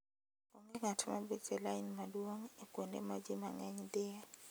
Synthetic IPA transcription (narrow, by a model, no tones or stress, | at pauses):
ɔŋɡeŋatʰmabetɛlainmadwoŋekondḛmad͡ʒimaŋɛɲd̪ɪa